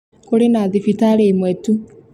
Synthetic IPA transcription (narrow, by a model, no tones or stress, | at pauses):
koɾenaðifitaɾemwɛtu